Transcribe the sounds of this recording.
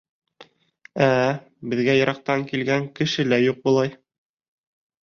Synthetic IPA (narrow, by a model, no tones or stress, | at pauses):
æ | bɘ̆ðɡæjɤ̆ɾʔɑq̚t̪ɑŋkilɡæŋkɘ̆ʃɘlæjuq̚bulˠɑj